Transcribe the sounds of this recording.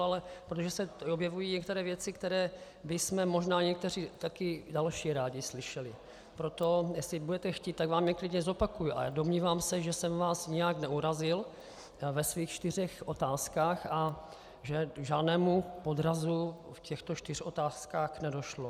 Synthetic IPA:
alɛpɾot̪oʒɛsɛobjɛvujiːɲɛk̚t̪ɛɾɛːvjɛt͡sɪkt̪ɛɾɛː | bɪsmɛmo̞ʒnaːɲɛk̚t̪ɛr̝it̪akɪdalʃiːɾaːɟɪslɪʃɛlɪ | pɾot̪o̞jɛslɪbudɛt̪ɛxciːt̪t̪ːaɡvaːmɲɛklɪdɲɛzo̞pakujuʔa̰jado̞mɲiːvaːmsɛʒɛsɛmvaːsɲɪjaknɛʔuɾazɪl | vɛsviːxt͡ʃt̪ɪr̝ɛxʔo̞t̪aːskaːxa | ʒɛʒaːdnɛːmupod̪ɾazu | fcʰɛxt̪ot͡ʃt̪ɪr̥ʔo̞t̪aːskaːxnɛdo̞ʃlo

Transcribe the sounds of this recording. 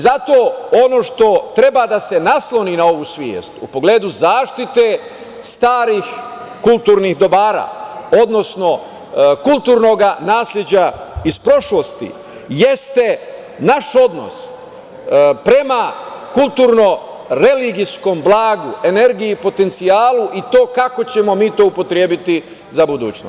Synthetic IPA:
zat̪o̞ːono̞ʃt̪o̞t̪ɾe̞bad̪ase̞naslo̞ninao̞ʋuːsʋjḛːst̪upo̞ɡleːd̪uzaːʃt̪it̪e | st̪aːɾix | kulˠt̪uːɾnixd̪o̞baːɾa̰ːo̞d̪no̞sno̞ | kulˠt̪uːɾno̞ɡanaːslʲed͡ʑaispɾo̞ʃlost̪ḭ | je̞st̪e̞ | naʃo̞d̪no̞̰s | pɾe̞makulˠt̪uːɾno̞ | ɾe̞liɡisko̞mblˠaːɡue̞ne̞ɾɡijipo̞t̪e̞nt̪siaːluʔit̪o̞ːkakot͡ɕe̞mo̞miːt̪o̞ːupo̞t̪ɾjeːbit̪i | zabud̪uːt͡ɕno

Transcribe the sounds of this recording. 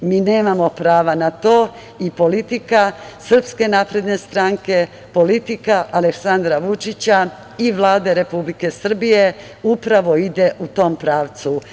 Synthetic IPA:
miːne̞ːmamo̞pɾaːʋanat̪oː | ipo̞lit̪ikasr̩pske̞naːpɾe̞d̪ne̞st̪ɾaŋke̞ | po̞lit̪ikaʔale̞ksand̪ɾaʋut͡ʃit͡ɕa | iʋlˠaːd̪e̞ɾe̞publike̞sr̩bije̞ | upɾaʋo̞id̪e̞ʔut̪o̞ːmpɾaːʋt̪su

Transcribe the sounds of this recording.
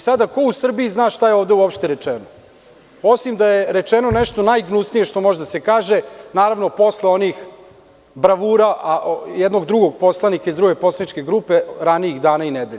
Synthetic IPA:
sad̪ako̞usr̩biiznaːʃt̪ajeo̞ːʋd̪euopʃt̪eɾet͡ʂeno | o̞simd̪ajeɾet͡ʃeno̞nɛʃt̪onajɡnusnije̞ʃt̪o̞moʒed̪asekaːʒenaːɾaʋno̞po̞sleo̞nix | bɾaʋuːɾaʔajɛd̪no̞ɡd̪ɾuɡo̞ɡ̚po̞slˠanikaizd̪ɾuɡe̞po̞slˠanit͡ʃke̞ɡɾuːpe̞ɾaniiɣd̪aːnained̪eʎe

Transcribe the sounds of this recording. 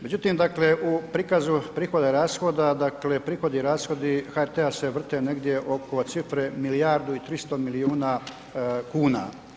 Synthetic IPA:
me̞d͡ʑut̪imd̪akleʔupɾiːkazupɾiːxo̞d̪eɾaːsxod̪ad̪akle̞pɾiːxo̞d̪iɾaːsxo̞d̪ixaeɾt̪ease̞ʋr̩t̪ene̞ɡd̪je̞ʔo̞ko̞t̪sifɾemilijaːɾd̪uit̪ɾist̪omiliuːna | kuːna̰

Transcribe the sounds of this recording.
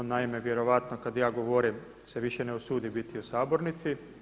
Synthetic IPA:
naime̞ʋje̞ɾo̞ʋat̪no̞kad̪jaːɡoʋoɾim | se̞ʋiʃe̞ne̞usuːd̪ibit̪iusaːbo̞ɾnit̪si

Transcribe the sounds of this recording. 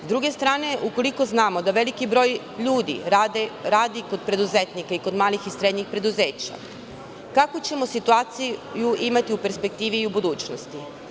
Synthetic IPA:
zd̪ɾuɡe̞st̪ɾaːne̞ʔuko̞liko̞znaːmo̞d̪aʋe̞likibɾo̞ːj | ʎuːd̪ḭɾaːd̪iko̞d̪̚pɾe̞d̪uzet̪nikaiko̞d̪maːlixisɾe̞d̪ɲixpɾe̞d̪uze̞ːt͡ɕa̰ | kakot͡ɕe̞mosit̪uaːt̪sijuimat̪iupe̞ɾspe̞k̚t̪iːʋiːubud̪uːt͡ɕnost̪i

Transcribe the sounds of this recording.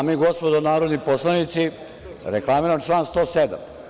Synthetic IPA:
amiɡospod̪onaːɾod̪niposlˠanit̪si | ɾeklˠamiɾamt͡ʃlˠaːnst̪oːsed̪a̰m

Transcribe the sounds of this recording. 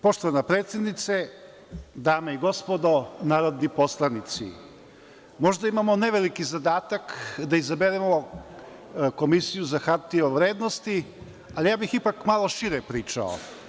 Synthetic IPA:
poʃt̪oʋanapɾet̪sjed̪nit̪se | d̪aːmeiɡo̞spo̞d̪o̞naːɾo̞d̪nipo̞slˠanit̪sḭ | mo̞ʒd̪aimamo̞neʋelikizad̪aːt̪akd̪aizabeɾemo | ko̞misijuzaxaɾt̪ioʋɾeːd̪nost̪i | alijaːbixipakmalˠo̞ʃiɾepɾiːt͡ʃa̰o̰

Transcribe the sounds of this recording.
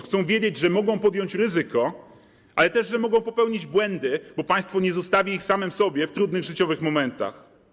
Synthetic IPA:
xt̪sɔ̃w̃vʲjed͡ʑed͡ʑʐɛmɔɡɔ̃w̃pɔd̪jɔ̃ɲt͡ɕɾɘzɘkɔ | ʔalɛt̪ɛʐʐɛmɔɡɔ̃w̃pɔpɛwɲid͡ʑbwɛnd̪ɘbɔpaj̃st̪fɔɲɛzɔst̪avʲiixsamɛmsɔbʲjɛft̪ɾud̪nɘɣʐɘt͡ɕɔvɘxmɔmɛnt̪a̰x

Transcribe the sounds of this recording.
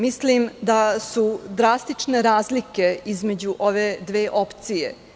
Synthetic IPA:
mislimd̪asud̪ɾast̪it͡ʂne̞ɾaːzlike̞izme̞d͡ʑuʔo̞ʋe̞d̪ʋe̞ːʔo̞pt̪sijḛ

